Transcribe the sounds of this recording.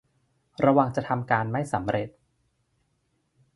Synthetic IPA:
ɾa˧wa˨˧˩ŋt͡ɕa˨˩t̪ʰa˧mkaː˧nma˥˩jsa˩˦mɾe˨˩t̪̚

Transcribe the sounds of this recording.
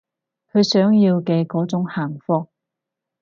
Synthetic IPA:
kʰɵ˨˧ɥsœː˨˥ŋjiː˧wkɛː˧kɔː˨˥t͡sʊ˨˥ŋhaː˨˩ŋfɔː˧k̚

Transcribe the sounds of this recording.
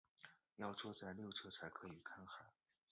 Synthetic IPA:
jɑ˥˩ʊt͡swɔ˥t͡sa˥˧ɪljo˥˩ʊʈ͡ʂʰɤ˥t͡sʰa˧˥ɪkʰɤ˧˥i˨˩kʰa˥nxa˨˩˦

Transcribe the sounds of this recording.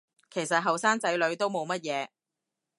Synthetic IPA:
kʰe˨˩jsɐ˨t̚ɦɐ˨wsaː˥ŋt͡sɐ˨˥jlɵ˨˧ɥt̪o˥wmo˨˧wmɐ˥t̚jɛː˨˧

